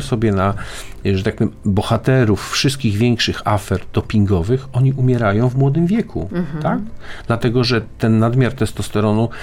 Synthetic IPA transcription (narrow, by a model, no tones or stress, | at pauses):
sɔbʲjɛnaʐɛt̪ak̚mɘbɔxat̪ɛɾufːʂɘst̪kʲiɣvʲjɛŋkʂɘxafɛɾd̪̥ɔpʲiŋɡɔvɘxɔɲiʔumʲjɛɾajɔ̃w̃vmwɔd̪ɘmvʲjɛkʰṵt̪aɡd̪lat̪ɛɡɔʐɛt̪ɛnːad̪mʲjaɾt̪ɛst̪ɔst̪ɛɾɔnu